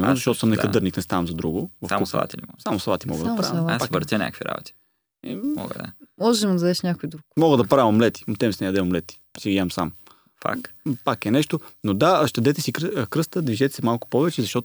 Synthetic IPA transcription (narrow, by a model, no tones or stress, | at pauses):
mɛnozɐʃtɔt̪osəmnɛkɐd̪ɤɾniknɛst̪avɐmzɐd̪ɾuɡovɐfasɐvˠa̰t̪ilimɔ̰samosɐvˠat̪imɔ̰ɡ̪d̪apɾavaabɾt̪ʲənʲɲʲa̰kəkviɾa̰bo̰t̪i̥ | imɔ̰ɡə̰d̪̰mɔʒɛmod̪ɐzd̪ɛʃnʲakʊjid̪ɾukmɔɡəd̪ɐpɾavɐmlɛt̪i̥mt̪ɛmsnɛjɐd̪ɛmmlɛt̪i̥siɡiɛmsam | fa̰kpakɛnɛʃt̪onod̪aʃt̪ɛd̪ɛt̪ɛsikkɾɤst̪əd̪viʒɛt̪ɛ̥sɛmalˠkʊ̥pɔvɛt͡ʃɛzɐʃt̪ɔt̪